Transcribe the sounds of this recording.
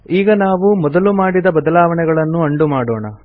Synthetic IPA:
iːɡɐnaːʋumɔd̪ɐlumaːɽid̪ɐbɐd̪ɐlaːʋɐɳɛɡɐɭɐnːuɐɳɖumaːɽoːɳɐ̰

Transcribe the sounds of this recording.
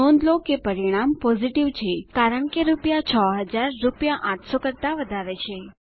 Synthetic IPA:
õnd̪lokepəɾiɽ̃ampɔziʈiʋt͡ʃʰekaɾəɳkeɾupjat͡ʃʰəɦəd͡ʒaɾːupjaʔãʈʰsokəɾt̪aʋəd̪ʱaɾet͡ʃʰe

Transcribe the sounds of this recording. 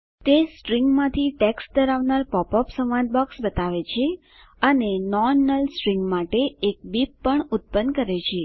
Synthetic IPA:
t̪esʈɾiŋɡmãt̪ʰiʈeksʈ̚d̪əɾaʋnaɾpɔpɔpsəʋãnd̪̚bɔksbət̪aʋet͡ʃʰe | ənenɔnəlsʈɾiŋɡmaʈeːk̚bipːəɳut̪̚pənkəɾet͡ʃʰe

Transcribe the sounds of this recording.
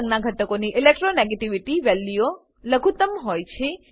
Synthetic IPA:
ŋɡnaɡʱəʈəkoniʔilek̚ʈɾoneɡeʈiʋiʈiʋɛlːio | ləɡʱut̪əmɦɔjt͡ʃʰe

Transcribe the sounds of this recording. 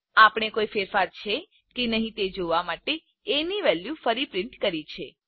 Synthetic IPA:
apəɽ̃ekoifeɾfaɾt͡ʃʰe | kenəɦĩt̪ed͡ʒoʋamaʈe | eniʋɛljufəɾipɾɪɳʈkəɾit͡ʃʰe

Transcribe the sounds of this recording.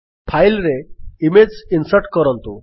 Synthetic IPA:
pʰajlɾeimed͡ʑsinsəɾʈkəɾə̃nt̪o

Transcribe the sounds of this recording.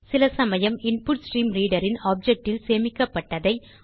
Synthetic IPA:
sɪlɐsɐmɐjɐmɪnpʊʈsʈɾiːmliːɽɐɾɪnaːp̚d͡ʒɛk̚ʈɪlseːmɪkːɐpːɐʈːɐðɐɪ

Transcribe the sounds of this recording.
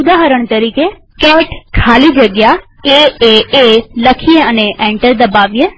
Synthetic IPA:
ʊd̪aɦəɾəɳt̪əɾike | kɛʈkʰalid͡ʒəɡja | eeeləkʰieəneʔɛ̃ɳʈəɾd̪əbaʋije

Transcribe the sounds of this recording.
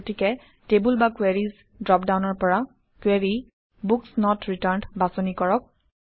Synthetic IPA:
tikɛ | tebulbakweɹiz | dɹɔp̚dawnɔɹpɔɹa | kweɹi | buksnɔtɹitaɹndbasonikɔɹɔk̚

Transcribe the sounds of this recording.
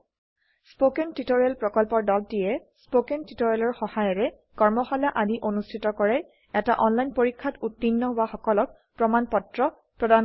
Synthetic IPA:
spokɛntitoɹialpɹɔkɔlpɔɹdɔltijɛspokentitoɹialɔɹxɔhajɔɹɛ | kɔɹmɔxalaʔadiʔonustʰitɔkɔɹɛ | ɛtaʔɔnlajnpoɹikʰːatutːinːɔbaxɔkɔlɔk̚ | pɹɔmanpɔtɹɔ | pɹɔdan

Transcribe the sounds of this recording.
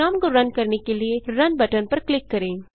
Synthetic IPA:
aːmɡoɾɐnkɐɾnekelieɾɐnbɐʈənpɐɾklɪkːɐɾẽː

